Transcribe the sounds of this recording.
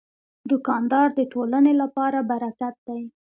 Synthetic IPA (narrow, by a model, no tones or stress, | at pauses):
d̪ʊkɑnd̪ɑɾd̪əʈolənelapɑɾabaɾakat̪̚d̪aj